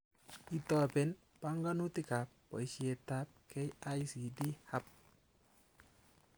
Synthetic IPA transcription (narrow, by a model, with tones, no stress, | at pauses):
i˨tɔ˨pɛ˨n | pa˦ŋɡa˦nu˦ti˦ka˨p̚ːɔ̰˨i˨ʃje˨ta˦p̚kʰɛ˦ja˦jsi˨di˦ha˦p̚